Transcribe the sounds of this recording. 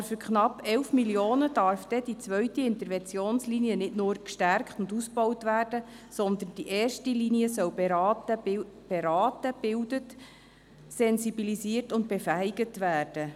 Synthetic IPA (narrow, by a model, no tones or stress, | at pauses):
fʏɾkʰχnɑpːɛwfmiljoːnəd̥ɑɾfd̥ɛd̥it͡sʋœɥtiɪnt̪əɾvɛnt͡sjoːnsliniənɪtnʊːɾkʃtæɾkχtʊndusb̥ɔwtvæːrd̥ə | sɔnd̪ənd̥iʔɛːrʃtiliniəsœwbeɾɑtə | b̥eɾɑːtəb̥ɪwdət | sɛnzibilisiːərtʊnt̚b̥efæiɡətʋæːrd̥ə